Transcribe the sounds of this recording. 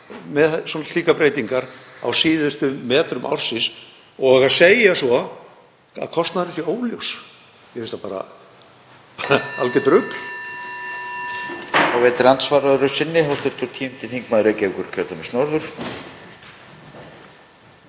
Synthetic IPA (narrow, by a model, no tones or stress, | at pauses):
mɛðsɔːnḁt̪liːkapɾeːjt̪iŋkaɾa̰wsiːðʏst̪ʏmɛːt̪ɾʏmʔa̰wr̥sɪs | ɔɣaðseːjasɔ | a̰kʰɔst̪naðɾɪsjɛoːwljows | jɛfɪnst̪apaːɾa̰ | a̰lcɪt̪ɾʏpl̥ | aɣvɛːt̪ɾant̪svaːɾaðʏɾʏsɪnːɪɦawst̪ɪɾt̪ʏɾ̥t̪ʰiːmmt̪ɪθiŋkmaːðɾecɛkʏɾcʰœɾt̪amɛsnɔɾðʏɾ̥